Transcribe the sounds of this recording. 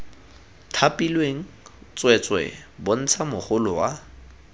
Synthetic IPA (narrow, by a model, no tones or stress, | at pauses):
tʰapʼilweŋ̩ | t͡sʼwɛt͡sʼwɛ̰bʊn̩t͡sʰamʊχʊlʊwa